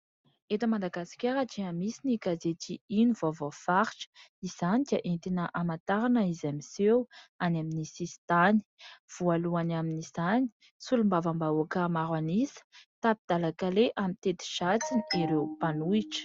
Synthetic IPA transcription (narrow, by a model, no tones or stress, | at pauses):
et̪əmand̪aɡasi̥kʲaɾaʈ͡ʂiamisinikazet̪iinuvoavofaɾiʈ͡ʂə̥iz̥anid̪̥iaʔent̪inəʔamant̪aɾanəizamisewanaminisisi̥t̪ani̥v̥ualuanaminiz̥ani̥ | sulumbavambauakəmaɾwanisə̥t̪apid̪̥alakaleʔamit̪et̪i̥ʃat͡siniiɾewpanuiʈ͡ʂə̥